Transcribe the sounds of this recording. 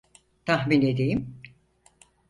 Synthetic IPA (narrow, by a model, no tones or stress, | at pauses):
t̪ʰaɦmined̪ejim